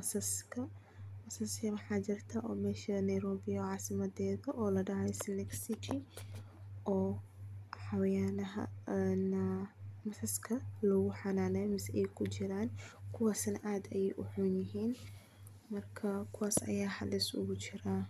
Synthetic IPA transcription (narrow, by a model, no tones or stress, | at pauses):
mɐsɐskʰɐ | mɐsɐsjɐwɑħɑːt͡ʃɪrt̪ʰaʔɔːmɛːʃɐnɐjɾɔːbɪjɐːʕɑːsɪmɐd̪ɛːðɐʔɔːlɐɖɑʕɛjsnɛksɪkʰɪ | ʔɔː | ħawjaːnɐɦɐ̰nɐmɐsɐskʰɐlɔːɣʊħɑnaːnɛjmɪsɛjkʰʊt͡ʃɪɾaːnkʰʊwaːsɐnɐʔaːd̪ɛjɛjʔʊħunjɪɦiːn | mɐrkʰɐkʰʊwaːsɐ̰jaːħɐlɪsʊ̰ɣʊt͡ʃɪɾaː